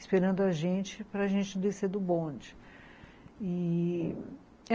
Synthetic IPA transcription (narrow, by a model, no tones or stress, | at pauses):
ispeɾɐ̃nd̪ʊɐʒẽt͡ʃɪpɾɐːʒẽnt͡ʃɪd̪esed̪ʊbõd͡ʒɪ | i